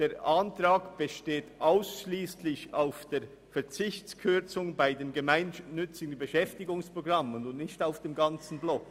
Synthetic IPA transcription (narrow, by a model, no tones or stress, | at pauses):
d̥eːɾʔantʁaːkb̥əʃteːtʔaʊsʃliːslɪçaʊfd̥eː | fɛɐt͡sɪçt͡skʰʏt͡sʊŋbaɪdeːnɡəmaɪnːʏt͡sɪɡ̥ən̩bəʃɛftɪɡʊŋspʁoɡʁamənʊnnɪçtaʊfd̥eːmɡant͡sn̩blɔk